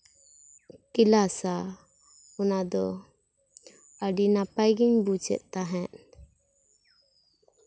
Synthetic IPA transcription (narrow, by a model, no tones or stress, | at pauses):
kilasa | ɔnad̪ɔ | aɖinapajɡiɲbut͡ʃɛ̰ʔ̚t̪aɦɛʔ